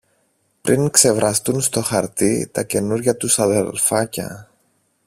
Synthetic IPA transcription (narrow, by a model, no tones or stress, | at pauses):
pɾiŋkse̞vɾʔɐst̪unst̪o̞xɐɾt̪it̪ɐce̞nuɾʝɐt̪usɐðe̞lfɐcɐ̰